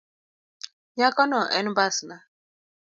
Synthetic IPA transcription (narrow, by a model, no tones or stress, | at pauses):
ɲakɔnɔʔɛ̰nubasna